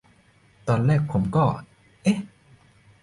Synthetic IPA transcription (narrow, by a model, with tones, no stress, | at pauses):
t̪ɔː˧nlɛː˥˩k̚pʰo˩˦mkɔː˥˩ | ʔe˦˥